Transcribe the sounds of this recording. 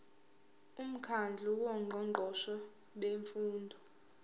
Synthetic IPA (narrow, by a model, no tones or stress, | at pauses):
um̩kʰand͡ɮʱuwɔŋ͡ǃʱɔŋ͡ǃʱɔʃɔ | ɓeɱfuːndʱɔ